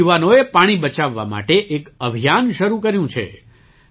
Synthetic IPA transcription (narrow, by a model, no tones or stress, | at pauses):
uʋanoepaɽ̃ibət͡ʃaʋːa̰ma̰ʈeʔekəbʱijanʃəɾukəɾjũt͡ʃʰḛ